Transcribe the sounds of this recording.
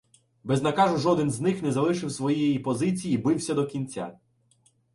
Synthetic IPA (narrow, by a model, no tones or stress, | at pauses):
bɛznɐkɑʒʊʒɔd̪ɪnznɪxnɛzɐlˠɪʃɪwsʋɔjijɛjipɔzɪt͡sʲijibɪwsʲɐd̪ɔkʲinʲt͡sʲa̰